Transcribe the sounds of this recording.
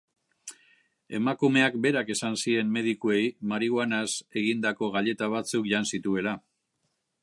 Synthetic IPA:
e̞̰makume̞akbe̞ɾake̞sansie̞nme̞ð̞ikue̞jmaɾiɣwanase̞ɣind̪ako̞ɣaʎe̞t̪aβ̞at͡sukʝansit̪ue̞la

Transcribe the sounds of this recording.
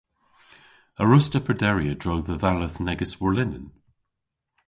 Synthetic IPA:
əɹʊstəpʰədɛɹiədɹoʊðəðaləθnɛɡəswəɹlɪnə̰̃n

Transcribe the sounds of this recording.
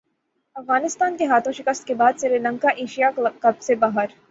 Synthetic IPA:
ɐfɣaːnɪst̪aːnkeɦaːt̪ʰõʃɪkəst̪kebaːd̪sɪɾilɐ̃ŋkaʔeːʃijakɐbsebaːɦəɾ

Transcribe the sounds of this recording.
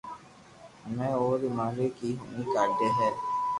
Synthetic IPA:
mɛ̃ːoːɾimaːɾeːkiːɦʊnĩːkaːɖeːɦɛː

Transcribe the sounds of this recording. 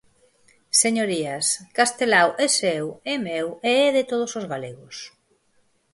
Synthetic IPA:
seɲoɾiaskast̪elawʔesɛwemeweɛðɪt̪oð̞osozɣaleɣos

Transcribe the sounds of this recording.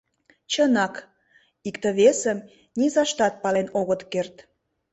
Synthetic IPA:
t͡ɕənɑk | ikt̪əβesəm | nʲizɑʃt̪ɑt̪̚pɑlenoɣət̪kert̪

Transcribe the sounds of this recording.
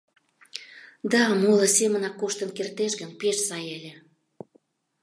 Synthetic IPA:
d̪ɑmolə̆semənɑkːoʃt̪ənkert̪eʃɡənpeʃsɑjelʲĕ

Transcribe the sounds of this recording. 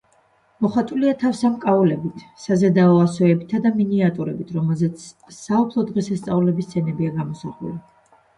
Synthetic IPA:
mɔχwat̪ʼuliat̪ʰafsamkʼaulɛbit̪ʰsazad̪aɔasɔɛbit̪ʰad̪aminiat̪ʼuɾɛbit̪ʰɾɔmɛlˠzɛt̪s | saupʰlˠɔd̪ʁɛsast̪sʼavulɛbist̪sʰɛnɛbiaɡamɔsaχwɛ̰li

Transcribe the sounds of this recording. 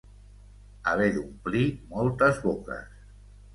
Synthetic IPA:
aβ̞ed̪umplimɔlˠt̪əzβokə̰s

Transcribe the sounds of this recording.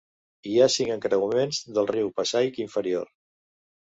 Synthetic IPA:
iasiŋəŋkɾəumenzðəlˠriwpəsajkiɱfəɾioɾ

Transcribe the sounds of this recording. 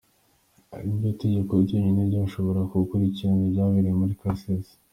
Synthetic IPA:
a̰ɾibɟote̞ɟe̞ko̞iɟoɲinebɟaʃo̞βo̞ɾakukuɾiciɾanobɟaːβiɾiemuɾikasez

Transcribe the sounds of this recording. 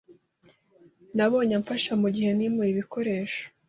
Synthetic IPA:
naβo̞ːɲaɱfaʃamuɟihe̞nimuiβiko̞ɾe̞ːʃo̥

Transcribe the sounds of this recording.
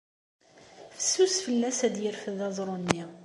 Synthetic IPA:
fə̥sːusfəlːæsæd̪jəɾfəðɑzˤɾˤonːi

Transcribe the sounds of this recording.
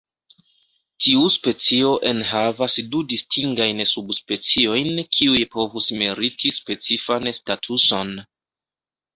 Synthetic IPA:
tʰiuspe̞t͡sio̞ʔe̞nɦavasdudistʰiŋɡajnsubspe̞t͡sio̞jnkʰiujpo̞vusmeɾitʰispe̞t͡sifanstatʰuso̞n

